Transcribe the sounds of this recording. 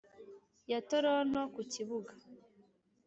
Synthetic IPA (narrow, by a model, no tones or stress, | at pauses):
jatoɾonokuciβuɡḁ